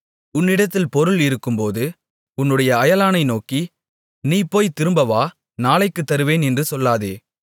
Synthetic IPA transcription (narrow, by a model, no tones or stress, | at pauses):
ʊnːɪɽɐt̪ːɪlpɔɾɯlɪɾɯkːɯmpoːðɯ | ʊnːɯɽɐjɐɐjɐlaːnɐɪnoːki | niːpːoːjt̪ːɪɾɯmbɐʋaː | naːlɐɪkːɯt̪ːɐɾɯʋeːnɛndrɯsɔlːaːðeː